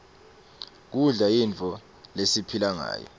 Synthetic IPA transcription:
k̬uɮaint͡fʰɔ | lesipʰilaŋa̰ːjɔ̰

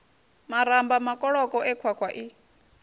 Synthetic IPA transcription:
maɾambamakʼɔɺɔkʼɔʔɛkʰwakʰwaʔi

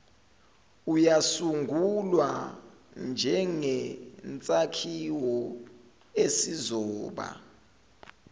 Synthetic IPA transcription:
ujasuŋɡʱulwa | nd͡ʒʱɛŋɛnt͡sʼakʰiwɔ | esizɔːɓa̰

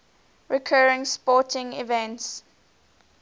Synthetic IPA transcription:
ɹikʰɜːɹɪ̃ŋspɔˑtʰɪ̃ŋḭvɛ̃nts

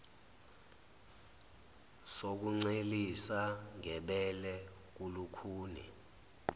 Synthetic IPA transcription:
sok̬uŋ͡ǀelisaŋɛɓɛlɛ | k̬ulukʰuːnɛ̰

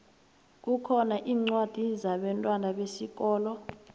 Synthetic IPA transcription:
k̬ukʰɔnaʔiːŋ͡ǀwad̥ʱizaɓɛntʼwanaɓesik̬ɔːlɔ

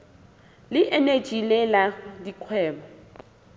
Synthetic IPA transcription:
lɪʔene̥ʒ̥ʱilɛladikʰwɛːbɔ

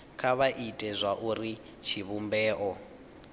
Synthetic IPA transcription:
kʰaβaʔitʼɛzʷaʔuri | t͡ʃʰiβumbɛːʔɔ

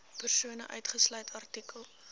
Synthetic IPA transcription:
pərsuənəʔœ̰ɥtχəslœjtʰɐrtikəlˠ

